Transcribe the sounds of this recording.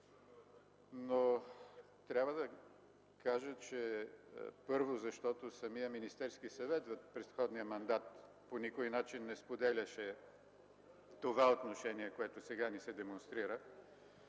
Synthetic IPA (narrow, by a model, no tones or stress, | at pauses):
no | t̪ɾʲabvəd̪ɐ | kaʒət͡ʃɛ | pɤɾvozɐʃt̪ɔt̪osɐmiəminist̪ɛɾskisɐvɛt̪vəfpɾɛsxɔd̪niəmɐnd̪at̪ | ponikojnat͡ʃinːɛspod̪ɛlʲɐʃɛ | t̪ovaot̪noʃɛniɛkoɛt̪osɛɡanisɛd̪ɛmonst̪ɾiɾə